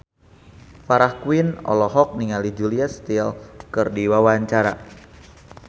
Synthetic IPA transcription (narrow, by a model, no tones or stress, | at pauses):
faɾahkwinɔ̰lɔɦɔk̚niŋalid͡ʒuliast̪ilkɨrdiwawaɲt͡ʃaɾa